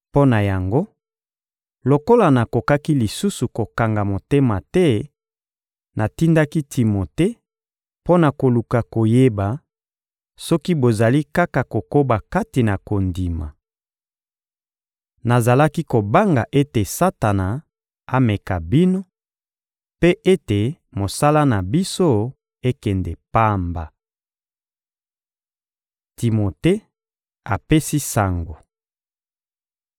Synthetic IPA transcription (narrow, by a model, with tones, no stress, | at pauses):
po˦na˨ja˨ŋɡo˦ | lo˨ko˦la˨na˨ko˨ka˦ki˦li˨su˦su˨ko˨ka˨ŋɡa˨mo˨te˦ma˨tɛ˦ | na˨ti˦nda˦ki˦tʰi˨mo˨te˦ | po˦na˨ko˨lu˨ka˨ko˨je˦ba˨ | sɔ˦ki˦bo˨za˨li˦ka˦ka˨ko˨ko˦ba˨ka˦ti˨na˨ko˨ndi˨ma̰˨ | na˨za˨la˦ki˦ko˨ba˦ŋɡa˨ʔe˦te˨sa˦ta˨na˨ | a˦mɛ˨ka˨bi˦no˦ | pe˦ʔe˦te˨ | mo˨sa˦la˦na˨bi˦so˦ | e˦kɛ˨ndɛ˨pa˦mba˨ | ti˨mo˨te˦ | a˨pe˦si˦sa˨ŋɡo˨